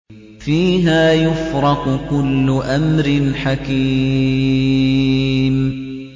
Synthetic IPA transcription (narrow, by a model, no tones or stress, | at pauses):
fiːɦaːjʊfɾɑqʊkʊlːʊʔamɾɪnħakiː | m